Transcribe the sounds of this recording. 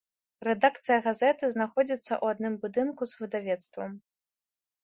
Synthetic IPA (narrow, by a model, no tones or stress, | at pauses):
rɛd̪akt̪sɨjɐɣazɛt̪ɨznaxɔd͡zʲit̪sːɐ̰ʔuad̪nɨmbud̪ɨnkuzvɨd̪avʲɛt̪st̪vɐ̰m